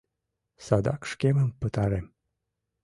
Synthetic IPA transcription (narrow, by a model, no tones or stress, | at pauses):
sad̪a̰kʃkʲeməmpət̪aɾem